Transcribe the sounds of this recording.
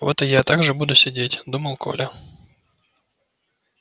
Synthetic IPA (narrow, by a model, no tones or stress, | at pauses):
vot̪ɨjat̪aɡʐɨbud̪ʊsʲɪdʲetʲd̪uməlˠkʰo̰lʲɐ